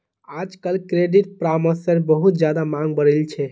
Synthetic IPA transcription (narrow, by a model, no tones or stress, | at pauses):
ad͡ʒkəlkɾeɖiʈ̚pɾaməsəɾbəɦut̪̚d͡ʒjad̪amãŋɡbəɾəlt͡ʃʰɛ